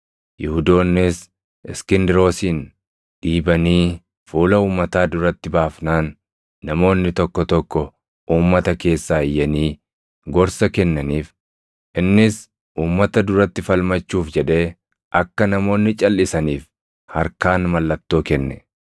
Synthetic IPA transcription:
jɪhʊd̪o̞ːnːɪs | ɪskɪnd̪ɾo̞ːsiːn | ᶑiːbɐniː | fuːlɐuːmːɐt̪aːd̪ʊɾɐt̪ːɪbaːfnaːnː | ɐmo̞ːnːɪt̪ɔkːɔt̪ɔkːɔ | ʔuːmːɐt̪ɐke̞ːsːaːɪjːɐniː | ɡɔɾsɐkɛnːɐniːf | ʔɪnːɪs | ʔuːmːɐt̪ɐd̪ʊɾɐt̪ːɪfɐlmɐt͡ʃːuːfd͡ʒɛᶑe̞ː | ʔɐkːɐnɐmo̞ːnːɪt͡ʃʼɐlːɪsɐniːf | hɐɾkaːnmɐlːɐt̪ːo̞ːkɛnːɛ

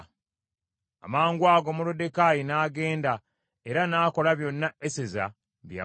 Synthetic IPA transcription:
a̰maːŋɡwaːɡo̞mulode̞kajinaːɡe̞ːnda | e̞ɾanaːko̞laβjo̞nːaeseza̰ | βja̰

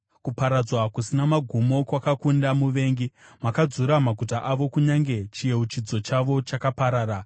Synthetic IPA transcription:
kupaɾad͡zwakusinamaɡʱumo̞kwakakundamuʋe̞ːŋɡimakad͡zuɾamaɡʱutaʔaʋo̞kuɲaŋɡe̞t͡ʃije̞ut͡ʃid͡zo̞t͡ʃaʋo̞t͡ʃakapaɾaːɾa

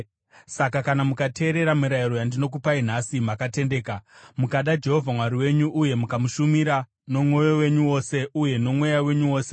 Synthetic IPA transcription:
sakakanamukatʰe̞ːɾe̞ɾamiɾaiɾo̞jandino̞k̬upain̤asimakate̞nde̞ːkamukaɗad͡ʒe̞ɦo̞vʱamwaɾiwe̞ɲuʔːje̞mukamuʃumiɾa | no̞mwo̞jo̞we̞ɲuwo̞ːse̞ʔuje̞no̞mwe̞jawe̞ɲuwo̞ːse̞̥

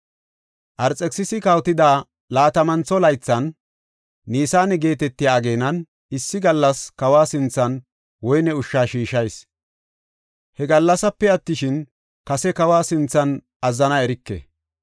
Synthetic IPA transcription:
ʔɐɾt͡sʼɛksɪsɪkɐwt̪ɪd̪aː | laːt̪ɐmɐnt͡sːɔlɐjt͡sːɐnː | iːsaːnɛɡe̞ːt̪ɛt̪ːɪjaːɡe̞ːnɐn | ɪsːɪɡɐlːɐskɐwaːsɪnt͡sːɐn | wɔjnɛʊʃːaːʃiːʃɐjs | hɛɡɐlːɐsɐpːɛɐt̪ːɪʃɪn | kɐsɛkɐwaːsɪnt͡sːɐn | ɐzːɐnɐɛɾɪkːɛ̰

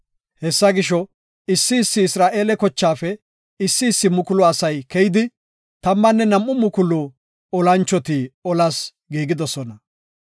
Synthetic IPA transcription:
hɛsːɐɡɪʃɔ | ɪsːɪːsːɪɪsɾaːʔe̞ːlɛkɔt͡ʃːaːfɛ | ɪsːɪːsːɪmʊkʊlʊɐsɐjkɛjɪd̪ɪ | t̪ɐmːɐnːɛnɐmːʊmʊkʊlʊ | ɔlɐnt͡ʃːɔt̪iːɔlɐs | ɡiːɡɪd̪ɔsɔnɐ

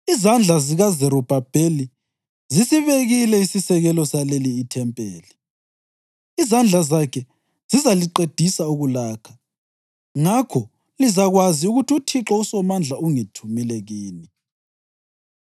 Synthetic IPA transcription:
izand͡ɮʱaziɣazɛɾɔb̥ʱab̥ʱeli | zisiβeɣilɛisisɛɣɛlɔsaleliːtʰɛmpʼeːli | zand͡ɮʱazakʰɛ | z̥izaliǃed̥ʱisauɣulaːkʰḁ | ŋakʰɔ | lizaɣwaziuɣutʰutʰiǁɔusɔmand͡ɮʱauŋitʰumilɛɣiːni

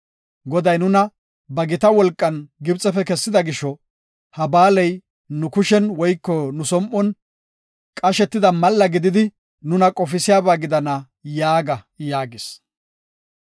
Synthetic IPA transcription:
ɡɔd̪ɐjnʊnɐ | bɐɡɪt̪ɐwɔlkʼːɐnɡɪbt͡sʼɛfɛkɛsːɪd̪ɐɡɪʃɔ | hɐbaːlɛj | nʊkʊʃɛnwɔjkːɔnʊsɔmʔɔn | kʼɐʃɛt̪ːɪd̪ɐmɐlːɐɡɪd̪ɪd̪ɪ | nʊnɐkʼɔfɪsɪjaːbaːɡɪd̪ɐnɐ | jaːɡɐ | jaːɡɪs

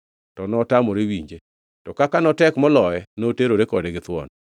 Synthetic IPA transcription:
tɔnɔtamoɾewiɲd͡ʒe | tɔkakanɔtɛkmɔlɔjɛnoteɾoɾekɔdeɡɪt̪wɔ̰n

